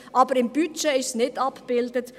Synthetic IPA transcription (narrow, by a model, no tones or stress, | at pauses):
ʔɑːbəɾɪmbyt͡ʃeɪʃsnɪtɑpb̥ɪldət